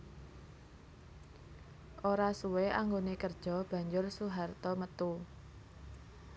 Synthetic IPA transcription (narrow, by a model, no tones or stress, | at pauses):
ʔoɾasuweʔaŋɡonekərd̥ʒ̥ɔ̤b̥ä̤ɲd͡ʒʊrsuɦart̪ɔmət̪u